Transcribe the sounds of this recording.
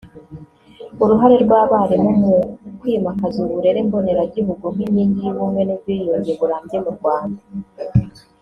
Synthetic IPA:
uɾuɦaɾe̞ɾɡwaːβaːɾemomukwiːmakazuɾuɾe̞ɾeːmbone̞ɾaɟiβuɡomiɲiːɲɟijβumwe̞nevwijoɲɟeβuɾaːɲɟemuɾɡwaːnda

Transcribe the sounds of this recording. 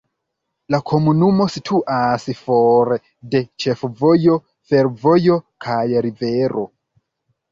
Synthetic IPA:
lakʰo̞munumo̞sitʰuʔasfo̞ɾe | de̞t͡ʃe̞fovo̞jo̞ | fe̞ɾvo̞jo̞kʰajɾive̞ɾʔo̞

